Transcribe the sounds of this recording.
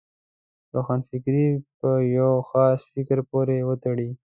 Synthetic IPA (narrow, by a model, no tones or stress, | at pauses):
ɾoxɑnfɪkɾipəjawxɑsfɪkəɾpoɾewət̪aɽi